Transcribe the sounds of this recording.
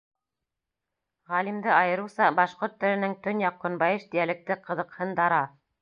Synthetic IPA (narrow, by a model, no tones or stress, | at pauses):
ʁælimd̪ɘɑjɤ̆ɾusɑbɑʃqoɾt̪ːɘ̆ɾɘ̆nɘŋt̪ɵnjɑqːŏnbɑjɤʃt̪ijælɘ̆k̚t̪ɘqɤ̆ðɤ̆qhɤnd̪ɑɾɑ